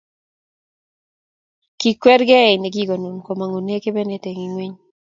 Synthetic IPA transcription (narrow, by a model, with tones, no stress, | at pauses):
ki˨kwɛ˦ɾɡɛ˦ɪ˨ne˨ɡi˦ɡo˨nu˨nko˨ma˨ŋu˨ne˦ke˦bɛ˦ne˦te˨ŋi˨ŋwi˦ɲ